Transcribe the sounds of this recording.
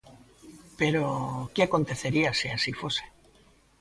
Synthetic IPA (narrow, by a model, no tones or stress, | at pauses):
pe̞ɾokeako̞nt̪e̞θe̞ɾiasiasifo̞se̥